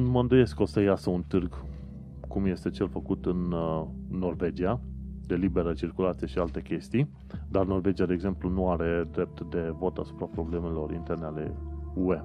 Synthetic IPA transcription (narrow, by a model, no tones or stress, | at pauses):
məɨnd̪əje̞sko̞səjasəunt̪ɨrɡ | kumje̞st̪e̞t͡ʃe̞lfəkut̪ɨnː | o̞rve̞d͡ʒiad̪e̞libe̞ɾət͡ʃirkulat̪sije̞ʃialt̪e̞kʲe̞st̪ij | d̪arno̞rve̞d͡ʒiad̪eːɡze̞mplunuaɾe̞d̪ɾe̞p̚t̪d̪e̞vo̞t̪asu̥pɾapɾo̞ble̞me̞lo̞rḭnt̪e̞rneale̞̰ue̞